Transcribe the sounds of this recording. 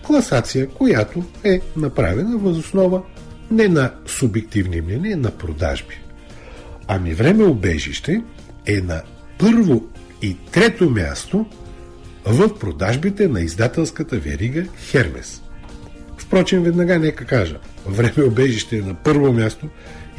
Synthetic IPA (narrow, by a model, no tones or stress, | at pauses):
klˠɐsat̪sijəkojat̪oɛnɐpɾa̰vɛnəvɐzosnɔvə | nɛnɐsʊbɛk̚t̪ivnimnʲɛniənɐpɾod̪a̰ʒbi̥ | ɐmivɾɛmɛobɛ̰ʒḭʃt̪ɛ | ɛnɐ | pɤɾvo | it̪ɾɛt̪omʲja̰st̪o | vəfpɾod̪aʒbit̪ɛnɐizd̪at̪ɛlˠskət̪əvɛ̰ɾiɡəxɛɾmɛ̰s | fpɾɔt͡ʃinvɛd̪nɐɡanɛkəkaʒə̰ | vɾɛmɛobɛʒiʃt̪ɛːnɐpɤɾvomʲjast̪o